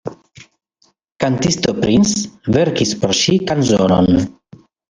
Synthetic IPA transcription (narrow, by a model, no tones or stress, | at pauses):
kant̪ist̪opɾinsveɾkispoɾʃikanzono̰n